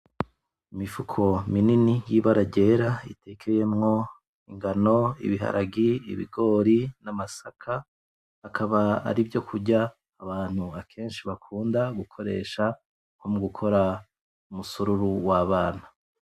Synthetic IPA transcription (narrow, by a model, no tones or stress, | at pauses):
imifukʰo̞mininijiβaɾaɟe̞ɾaitekʰeje̞mŋo̞ | iŋɡano̞ḭβiɦa̰ɾʔaɡiḭβḭɡo̞ːɾinamasakʰaː | kʰaβaa̰ɾibjo̞kʰuɟaː | βaːn̥huakʰe̞ːnʃiβakʰuːndaɡukʰo̞ɾe̞̰ːʃa | ŋomuɡukʰo̞ɾa | umusuɾuɾuwaβaːna